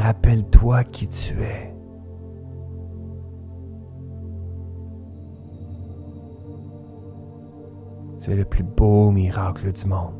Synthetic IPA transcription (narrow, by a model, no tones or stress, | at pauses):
ʁapɛlt̪wakʲʰit̪yɛ | t̪yɛləplybomiʁakləd̪ymɔ̃d̪